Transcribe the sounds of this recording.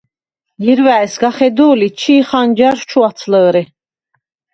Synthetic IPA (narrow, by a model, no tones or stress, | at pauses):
jiɾvæɛsɡaχɛd̪uːlit͡ʃʰiːχand͡ʒaɾt͡ʃʰuat̪t͡sʰləːɾɛ